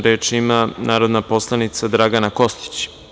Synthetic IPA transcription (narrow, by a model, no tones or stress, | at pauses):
ɾeːt͡ʃimanaːɾod̪napo̞slˠanit̪sad̪ɾaɡanako̞st̪i̥t͡ɕ